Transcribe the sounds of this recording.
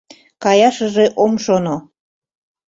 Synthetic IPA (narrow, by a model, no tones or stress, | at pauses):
kɑjɑʃəʒeʔomʃono